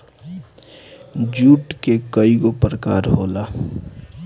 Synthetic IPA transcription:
d͡ʒuːʈkekəiɡopɾəkaːɾɦoːla

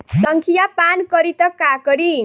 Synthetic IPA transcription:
sʌŋkʰijapankʌɾit̪ʌkakʌɾi

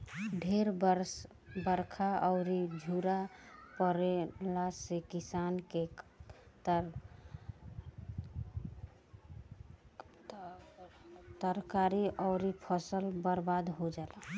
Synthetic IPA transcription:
ɖʱeɾbəɾs | bəɾkʰaɔʊɾid͡ʒʱuɾapəɾelasekisanke | t̪əɾkaɾiɔɾipʰəsəlbəɾbad̪ɦod͡ʒala

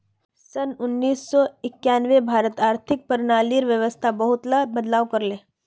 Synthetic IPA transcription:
sənʊnːiːsːɔɪkjaːnʋebʱaːɾət̪aːɾt̪ʰɪk̚pəɾnaːliɾʋjəʋəst̪ʰabɐɦʊt̪labəd̪laːʋkɐɾlẽː

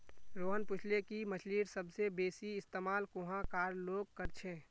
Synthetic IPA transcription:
ɾoːɦənpʊt͡ʃʰlekimət͡ʃliːɾsəbsebeːsiɪst̪eːmaːlkʊ̃ɦãkaːɾloːɡ̚kəɾt͡ʃʰẽː

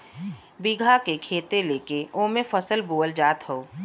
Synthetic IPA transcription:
biɡʱakekʰeːt̪eleːkeoːmẽfʰəsəlboːəld͡ʒaːt̪ɦooː

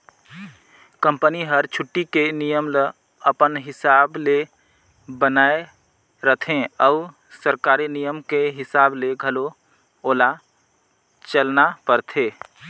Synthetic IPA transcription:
kə̃mpəniɦəɾt͡ʃʰʊʈːikenijəmlə | əpənɦɪsaːble | bənaːe | ɾət̪ʰẽəʊ | səɾkaːɾinijəmkeɦɪsaːbleɡʱəlo | oːla | t͡ʃəlnapəɾt̪ʰeː

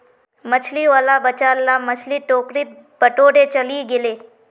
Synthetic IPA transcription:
mət͡ʃʰliʋaːlabət͡ʃaːlːamət͡ʃʰliʈoːkɾit̪̚ | bəʈoːɽet͡ʃɐliɡɪleː

